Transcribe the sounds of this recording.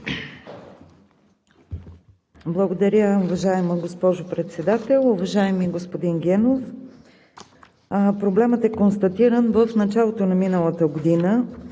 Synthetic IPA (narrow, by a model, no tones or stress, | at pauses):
blˠɐɡod̪ɐɾʲəʊvɐʒaɛməɡospɔʒʊpɾɛt̪sɛd̪at̪ɛlˠʊvɐʒaɛmiɡospod̪inɡʲɛnof | pɾoblɛmət̪ɛkonst̪ɐt̪iɾənvəfnɐt͡ʃalˠot̪onɐminəlˠət̪əɡod̪inə